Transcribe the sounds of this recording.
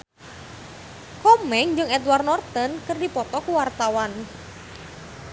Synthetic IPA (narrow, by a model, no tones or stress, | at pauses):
kɔmɛŋd͡ʒɨŋɛt̪wart̪nɔrt̪ənkərdipɔt̪ɔkuwart̪awan